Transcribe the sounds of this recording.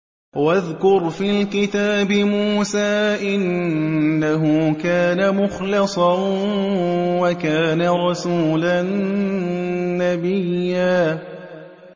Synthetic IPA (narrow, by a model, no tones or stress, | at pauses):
waðkʊɾfiːlkɪt̪aːbɪmuːsaːʔɪnː | aɦʊkaːnamʊxlɪsˤɑ | wakaːnaɾˤɑsuːlan | abɪjːaː